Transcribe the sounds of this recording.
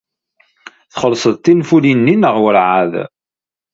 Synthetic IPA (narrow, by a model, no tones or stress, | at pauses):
θχəlːsˤəðˤt̪ːinfulinːinəʁwəɾʕað